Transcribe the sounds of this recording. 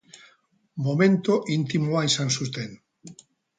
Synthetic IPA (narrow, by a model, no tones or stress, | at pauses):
momẽnt̪oʔint̪imoajsansust̪en